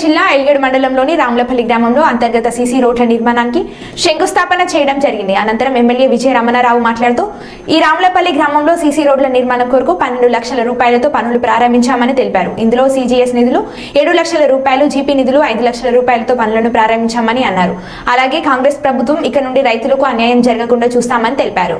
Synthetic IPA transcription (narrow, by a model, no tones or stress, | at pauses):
t͡ʃinːaːeljeɽmɐɳɖɐlɐmloːniɾaːmulɐpɐlːiɡɾaːmɐmlo̞ːɐnt̪ɐɾɡɐt̪ɐsiːsiːɾo̞ːɖlɐniɾmaːnaːnki | ʂeŋɡust̪ʰaːpɐnɐt͡ʃɛːjɐɽɐmd͡ʒɐɾiɡind̪iɐnɐnt̪ɐɾɐmemːelje̞ːʋid͡ʒɐjɐɾamɐnaɾaːʋumaːʈlaːɽt̪uː | iːɾaːmulɐpɐlːiɡɾaːmɐmlo̞ːsiːsiːɾo̞ːɖlɐniɾmaːnɐmkoːɾukupɐnːeɳɖulɐkʂɐlɐɾuːpaːjɐlɐt̪o̞ːpɐnulupɾaːɾɐmbʱiɲt͡ʃaːmɐnit̪e̞lipaːɾuind̪ulo̞ːsiːd͡ʒiːesnid̪ulu | e̞ːɽulɐkʂɐlɐɾuːpaːjɐlud͡ʒiːpiːnid̪uluɐjd̪ulɐkʂɐlɐɾuːpaːjɐlɐt̪o̞ːpɐnulɐnupɾaːɾɐmbʱiɲt͡ʃaːmɐniɐnːaːɾu | ɐlaːɡe̞ːkaːŋɡɾeːspɾɐbʱut̪ʋɐmikːɐnuɳɖiɾɐjt̪ulɐkuɐnjaːjɐmd͡ʒɐɾɐɡɐkuɳɖaːt͡ʃuːst̪aːmɐnit̪e̞lipaːɾṵ